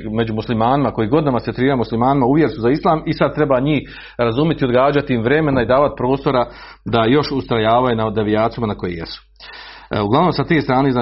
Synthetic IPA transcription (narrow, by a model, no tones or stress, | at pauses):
me̞d͡ʑumuslimaːnimako̞jiɡo̞d̪namaset̪ɾiːɾamuslimaːnimauʋjeɾsuzaislˠaːmisad̪̚t̪ɾe̞baɲiːh | ɾazumjet̪iod̪ɡaːd͡ʑat̪iimvɾe̞me̞naid̪aːʋat̪pɾo̞ːst̪o̞ɾa | d̪ajo̞ʃust̪ɾajaːʋajunad̪eʋijaːt̪ijumanako̞jḛjḛsu̥ | uɡlaʋnoːmsat̪eːst̪ɾaːneza